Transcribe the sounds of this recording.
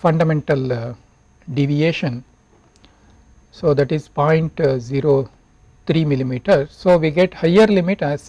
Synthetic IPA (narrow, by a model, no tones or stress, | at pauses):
fɐ̃ɳɖɐmẽɳʈɐl | ɖiʋieːʃə̃n | soːd̪æʈizpɔ̃ɪ̃ɳʈziːɾoː | t̪ʰɾiːmɪlimiːʈəɾsoːʋiːɡeʈhaɪəɾlɪmɪʈæz